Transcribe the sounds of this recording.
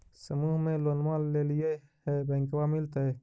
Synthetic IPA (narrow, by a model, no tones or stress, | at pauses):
səmuːɦmẽlonmaːlːeːlijə | hebẽːŋkwaːmɪlt̪e